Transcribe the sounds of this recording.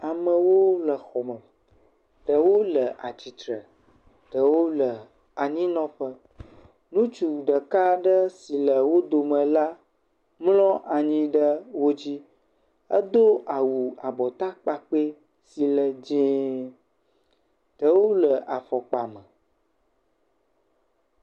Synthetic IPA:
a˨mə̃˨wo˦lə˨xɔ˨mə̃˨ | ɖ̪ə˨wo˦lə˨ʔa̰˨t͡ɕi˨t̪ɾə˨ | ɖ̪ə˨wo˦lə˨ | a˨ɲĩ˦nɔ̃˦ɸə˦ | nũ˦t͡ʃu˨ɖə˨ka˦ɖə˦si˨lə˨wo˦d̪o˨mə̃˨la˦ | mlɔ̃˦ʔa˨ɲĩ˦ɖə˦wo˦d͡ʑi˦ | ə̰˦d̪o˦ʔa˨wu˨a˨bɔ˨t̪a˦k͡pa˨k͡pe˦ | si˨lə˨d͡ʑĩ˦ | t̪ə˦wo˦lə˨ʔa˨fɔ˨k͡pa˨mə̃˨

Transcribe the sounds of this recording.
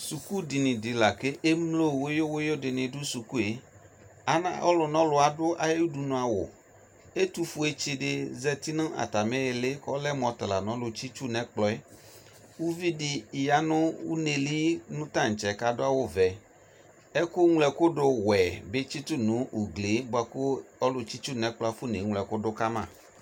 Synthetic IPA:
su˨ku˦dɪ˨nɪ̃˨dɪ˨la˨ke˦ʔe˦mlo˦˨wo˦jo˦wo˦jo˦dɪ˨nɪ̃˨dʊ˦su˨ku˦e˨˦ | a˨nã̰˦˨ʔɔ̰˦lʊ˨nɔ̃˦lʊ˨a˨dʊ˦ʔa̰˨je˦wu˦du˨nũ˨a˨wʊ̰˨ | e˦t̪u˦fu˨e˨t͡ʃɪ˨ɖɪ˨zɛ˦t̪i˦nʊ̃˦ʔa̰˨t̪a˨me˦jɪ˨lɪ˦kɔ˦lɛ˦mɔ̃˨t̪a˨la˨nɔ̃˦lʊ˨t͡ʃi˦t͡ʃu˦nɛ̃˦k͡plɔ˦e˦ | wu˦vi˦dɪ˨ja˦nʊ̃˦wu˦ne˨li˦nʊ̃˦t̪a˦˨n̩˨t͡ʃɛ˨ka˨dʊ˦a˨wʊ˦vɛ˨ | e˦kʊ˦ŋlɛ˨kʊ˦ɖʊ˦wɛ˨be˦t͡ʃi˦t̪ʊ˦nũ˨˦u˨ɡle˨˦bʊ˦a˦kʊ˦ɔ˦lʊ˨t͡ʃi˦t͡ʃu˦nɛ̃˨k͡plɔ˦a˦fu˦ne˨˦ŋlɛ˨kʊ˦dʊ˦ka˦mã̰˦˨

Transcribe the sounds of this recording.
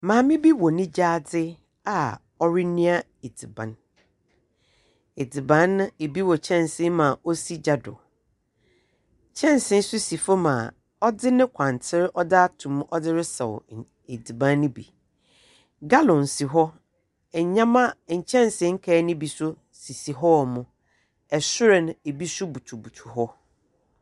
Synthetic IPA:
mãː˨mɪ̃˦bi˦wɔ˨nɪ̃˦d͡ʑaː˦d͡zɪ˦ | a˨ | ɔ˦ɾɪ˦nĩ˦a˦ | e˨di˨bã̰˨n | e˨di˨bã˨˦ñ˦e˨bi˦wɔ˨t͡ɕʰɛ̃˦˨nsɪ̃˦mã˨o˦si˦d͡ʑa˨dʊ̰˨ | t͡ɕʰɛ̃˦nsɪ̃˦n̩˦sʊ˦si˨fɔ˦mã̰˨ | ɔ˦dɪ˦nɪ̃˦kʷʰã˨n˨tʰɪ˦ɾɪ˦ʔɔ˦da˦a˦tʰʊ̃˨m˦ɔ˦dɪ˦ɾɪ˦sɛ˨w̰ | e˨di˨bã˨˦nː˦ɪ̃˦bḭ˨ | ɡa˦lɔ̃˨n˨si˨ɦɔ˦ | ɛ˨ɲã˦mã˦˨ɲ̩˨t͡ɕʰɛ̃˦n˨sɪ̃˨˦ŋ̩˦kʰɛ˨˦nɪ̃˦bi˨sʊ˦ | si˨si˨ɦɔ˦˨mʊ̃˦ | ɛ˨sʊ˦ɾɛ˨ñ˨e˨bi˦sʊ˦bu˨tʰu˨bu˨tʰu̥˨hɔ˦

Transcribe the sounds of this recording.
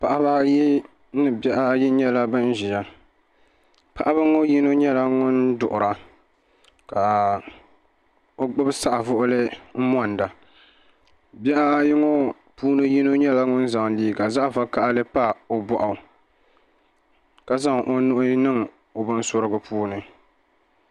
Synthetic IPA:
pa˨ʔa˦βa˦ji˦ | nɨ˨bɛ˦ʔa˦ji˦ɲɛ˦la˦bɨ˦n˦ʒi˨ja˦ | pa˦˨ʔa˦bɨ˦ŋo˦ji˦no˦ɲɛ˦la˦ŋʊ˦ndʊ˨ʔʊ˨ɾa˨ | ka˨ | o˦ɡ͡bɨ˦bsa˦ʔa˨vʊ˦ʔʊ˦lɨ˦m̩˦mɔ˦n˨da˨ | bɛ˦ʔa˦ji˦ŋo˦ | puː˦nɨ˦ji˦no˦ɲɛ˦la˦ŋʊ˦n˦za˨ŋliː˦˨ka˨za˦˨fa˦ka˦ʔa˦lɨ˦pa˦o˦bɔ˦ʔa˨ | ka˨za˦ŋʔo˦nʊ˦ʔʊ˦nɨ˦ŋ | o˨bɨ˦n˦so˦ɾɨ˦ɡɨ˨pʰuː˦nɨ˨

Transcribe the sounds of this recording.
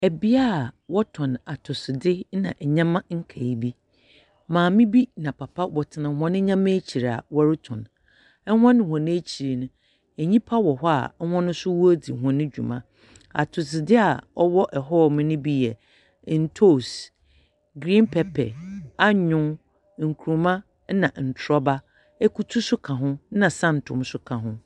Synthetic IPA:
ɛ˨bi˦a˦˨wɔ˦tʰɔ̃˨na˨tʰʊ˨sɪ˨dɪ˦nã̰˨ʔɛ˨ɲã˦mã˦ŋ̩˦kʰa˨i˨bi˦ | mãː˨mɪ̃˦bi˦nã˨pʰa˨pʰa˦wɔ˨tʰɪ˨nã˨ɔ̃˨nɪ̃˦ɲã˦m˦e˦t͡ɕʰi˨ɾa̰˨wɔ˦ɾɪ˦tʰʊ̃˨n | ɛ˦hɔ̃˦nɪ̃˨hɔ̃˨nɪ̃˦e˦t͡ɕʰi˨ɾi˨nʊ̃˦ | ɛ˨ɲĩ˦pʰa˦wɔ˨ɦɔ˦a̰˨˦hɔ̃˦nʊ̃˦sʊ˦wɔ˦æ˦di˨ɦɔ̃˨nɪ̃˦d͡ʑᶣṵ˨mã˦ | a̰˨tʰʊ˨d͡zɪ˨dɪ˦a˨ɔ˦wɔ˦ʔɛ˨ɦɔ˦˨mɪ̃˦nɪ̃˦bi˦jɛ˨ | n̩˨tʰo˦˨s | ɡɾĩ˦npʰɛ˨pʰɛ̰˨a˦ɲʊ̃˦ | ŋ̩˨kʰu˨ũ˨mã˦ | nã˨n̩˨tʰɾɔ˦ba˦ | ɛ˦ku˦tʰu˦sʊ˦kʰã˨ɦʊ̃˦nã˨sã˦˨n̩˨tʰʊ̰̃˨msʊ˦kʰã˨ɦʊ̃˦

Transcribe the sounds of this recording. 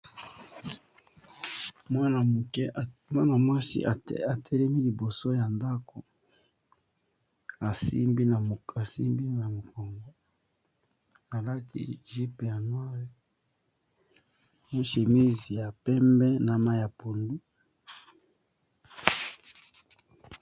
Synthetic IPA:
ma˦na˨kɛ˦mwa˦na˨mwa˦sḭ˦˨a˨tʰɛ˦lɛ˦mi˦li˨bo˨so˦ja˨nda˦ko˨ | a˨sḭ˦mbi˦na˨a˨sḭ˦mbi˦na˨mo˨ko˨ŋɡo˨ | a˨la˦tḭ˦˨˦ʒi˦pe˨ja˨nwa˦ʁe˨ | na˦ʃe˨mi˦zi˨ja˨pɛ˦mbɛ˦na˨ma˦ja˨po˨ndu˦

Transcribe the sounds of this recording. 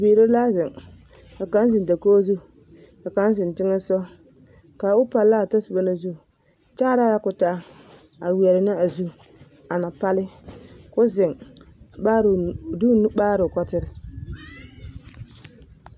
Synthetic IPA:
beː˨ɾo˦la˦zɪ˨ŋ | ka˨ka˦n˦zɪ˨n˨da˨koː˦zu˦ | ka˨ka˦n˦zɪ˨ntɪ˦ŋɛ˦sɔ˦ | ka˨ʊ˦pa˨lːa˦˨ta˦su˨ba˦na˨zu˦˨ | t͡ʃa˦ɾa˦ja˦kʊ˨ta˦ | a˨wɛ˨ɾɪ˨nɪ˦a˨zu˦ | a˨na˨pa˦lɪ˦kʊ˦zɪ˨ŋ | a˦ɾdu˦n˦baː˦ɾʊ˨kɔ˦tɪ˦ɾɪ˨

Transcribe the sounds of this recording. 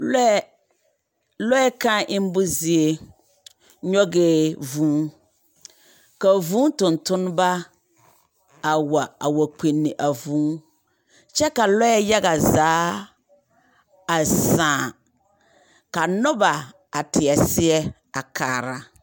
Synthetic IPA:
lɛ˦ | lɔ˦ɛ˦kã˦ʔɪ˦m˦bʊ˦zi˦e˦ | ɲɔ˦ɡeː˦vũː˨˦ | ka˨vũː˦tʊ̃˨ntʊ˦n˦ba˦ | a˨wa˨a˨wa˨k͡pe˨nːɪ˨ʔa˨vũː˨˦ | t͡ʃɛ˦ka˨lɔ˦ɛ˦ja˦ɣa˨zaː˨˦ | a˨sãː˨ | ka˨nʊ˦ba˨ | a˨tʰɪ˨ɛ˨sɪ˦ɛ˦ | a˨kʰaː˨ɾa˨

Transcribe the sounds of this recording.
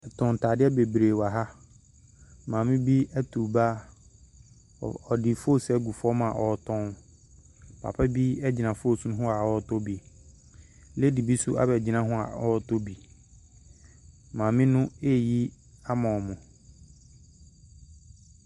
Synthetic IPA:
tʰʊ̃˨n˨tʰaː˨dɪ˦ɛ˦be˨bɾe˨wa˨ɦa˦ | mãː˨mɪ̃˦bi˦ɛ˦tʰu˨ba˦ | ɔ˨dɪ˨fo˦sɛ˨˦ɡu˨fɔ˦mã˨ʔɔ˨˦˨tʰɔ̃˦n | pʰa̰˨pʰɛ˦bi˦ɛ˦d͡ʑi˨nã˨fo˦˨sũ˦ɦʊ̃˦a˨wɔ˦tʰo˦bi˨ | le˦di˨bi˦su˦ʔa̰˦bɛ˨d͡ʑi˨nã˦ɦʊ̃˦a̰˨ɔ˦tʰo˦bi˨ | mãː˨mɪ̃˦nʊ̃˦e˦˨ji˦ | a˦mã˨ɔ˨mʊ̃˨

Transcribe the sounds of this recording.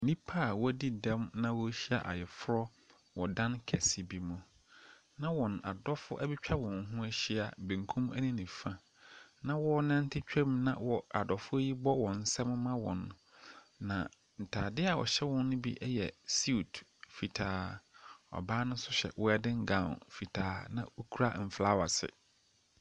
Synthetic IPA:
nĩ˦pʰa˦˨wɔ˦di˦dɛ̃˦mnã˦wɔ˦ɕi˦a̰˨ʔa̰˨jɛ˨fʊ˦ɾɔ˦ | wɔ˨dã˦nkʰɛ˨si˨bi˦mũ˨ | nã˦wɔ̃˨n˨a˨dɔ˦fʊ˦ʔæ˦bi˦t͡ɕᶣʰa˦wɔ̃˨ŋ˦ɦũ˦æ˦ɕi˦a˨bĩ˨ŋ˨kʰũ˦mæ̰˦nĩ˦nĩ˨fã˨ | nã˦˨wɔ˦nã˦n˦tʰɪ˦t͡ɕᶣɛ˦mnã̰˨wɔ˨a˨dɔ˨fʊ˦ji˦bɔ˦wɔ̃˨n̩˨sɛ˦mʊ̃˦mã˦wɔ̰̃˨nː˨ | ã̰˨ | n̩˨tʰaː˨dɪ˦a˨wɔ̰˨ɕɛ˦wɔ̃˦nː˦ʊ̃˦bḭ˦ʔɛ˦jɛ˨si˦˨tfi˨tʰaː˨ | ɔ̰˨baː˦nʊ̃˦sʊ˦ɕɛ̰˨wɔ˦ɛ˦dɪ̃˦ŋ̩˦ɡã˦˨ʊ̰˨nfi˨tʰaː˨nã˨o˦kʰu˦ɾa˦m̩˨fla˦wa˨sɪ̰˨

